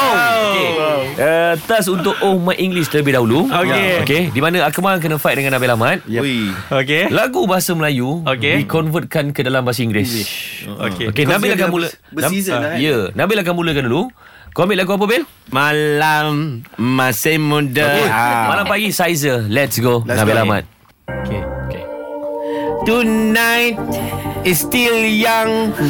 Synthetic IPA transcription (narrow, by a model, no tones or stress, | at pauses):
okeət̪as̬unt̪ʊʔomajʔiŋɡliʃt̪ələbɪhdaɦuluookedimanə̃akəmalaŋk̬ənəfajt̚dəŋãnːabɪlamãt̪̚okelaɡubaɦasəməlajuokedikɔnfət̪̚kankədalambaas̬əiŋɡlɪso̰keo̰kenãbɪlakamuləbnajənãbɪʔlak̬anmuləkandulu | kɔmĩt̚laɡuap̬əbɪl | malamːasemũdəmalampaɡisajzəlɛtsɡonãbilamã̰t̪̚ | okeokḛ | tunajt̚ist̪iljaŋ